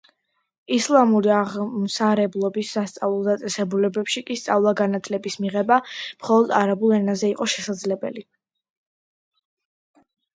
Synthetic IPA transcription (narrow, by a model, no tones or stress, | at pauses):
islˠamuɾiaʁmsaɾɛblˠɔbisːast̪sʼavlˠulˠd̪at̪sʼɛsɛbulɛbɛpʃikʼist̪sʼavlˠaɡanat̪ʰlɛbismiʁɛbamχɔlˠɔd̪aɾabulˠɛnazɛiqʼɔʃɛsad̪zlɛbɛli